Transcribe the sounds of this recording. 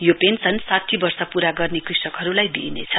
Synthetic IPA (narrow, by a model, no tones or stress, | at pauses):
jopent͡sʰʌnsat̪ʰːibʌrsʌpuɾaɡʌrnekrisʌkɦʌɾulajbḭnḛt͡sʰʌ